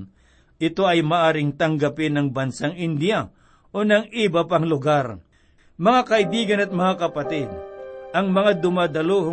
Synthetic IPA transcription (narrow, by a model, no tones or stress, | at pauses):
ʔɪt̪o̞ɐjmɐʔaːɾɪŋt̪ɐŋɡapɪnɐŋbɐnsaŋɪnd̪ɪja | ʔonɐŋɪbapaŋlʊɡaɾ | mɐŋakɐʔɪbiːɡɐnɐt̪̚mɐŋakɐpɐt̪ɪd̪̚ʔɐŋmɐŋad̪ʊmad̪ɐlohʊ